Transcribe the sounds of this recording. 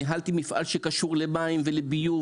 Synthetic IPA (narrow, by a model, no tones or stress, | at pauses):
ɦalt̪imifʔa̰lʃekaʃuʁlemaimvelebiju